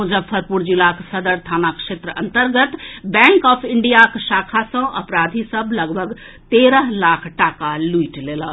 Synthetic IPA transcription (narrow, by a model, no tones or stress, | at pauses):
ud͡ʒəbfʰəɾpuɾd͡ʒɪlaksəd̪əɾt̪ʰaːnakʃeːt̪ɾəʔə̰̃nt̪əɾɡət̪bɛ̃ːŋkɔːpʰɪɳɖijakʃaːkʰasə̃ʔɐ̰pɾaːd̪ʱisəbʱlɐɡbʱəɡ | t̪eːɾəɦlaːkʰʈaːkaluiʈleːla